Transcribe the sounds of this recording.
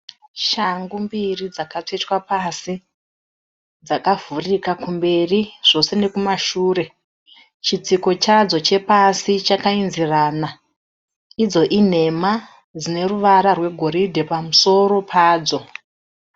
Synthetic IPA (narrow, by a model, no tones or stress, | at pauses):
ʃaŋɡumbirid͡zakat͡ʂetwapasi | d͡zakavurikakumbe̞riʐ̥o̞se̞ne̞kumaʃuːre̞ | t͡ʃit͡siko̞t͡ʃad͡zo̞t͡ʃe̞pasit͡ʃakainziraːna | id͡zo̞ʔin̤e̞ma | d͡zine̞ruʋaɾarwe̞ɡʱo̞ɾidʱe̞pamuso̞ɾo̞pʰaːd͡zo̞